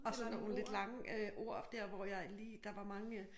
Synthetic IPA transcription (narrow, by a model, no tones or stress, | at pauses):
ɒ̽sɒnon̩le̝d̥lɑ̈ŋəøʔo̝ɐ̰d̥ɛɐ̰ʋɒjɑ̈ɪliːd̥ɑ̈ʋɑ̈mɑ̈ŋə